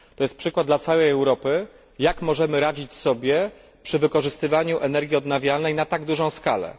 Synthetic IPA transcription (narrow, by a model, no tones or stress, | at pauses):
t̪ɔjɛst̪pʂɘkwad̪d̪lat̪sawɛjɛwɾɔpɘ | jakmɔʐɛmɘɾad͡ʑit͡ɕsɔbʲjɛ | pʂɘvɘkɔʐɘst̪ɘvaɲuʔɛnɛɾɡʲiɔd̪navʲjalnɛjnat̪aɡd̪uʐɔ̃w̃skalɛ̰